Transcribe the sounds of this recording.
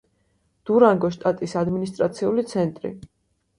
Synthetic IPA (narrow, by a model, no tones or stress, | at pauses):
d̪̥uɾaŋɡɔʃt̪ʼat̪ʼisad̪minist̪ʼɾat̪sʰiulit̪sʰɛnt̪ʼɾḭ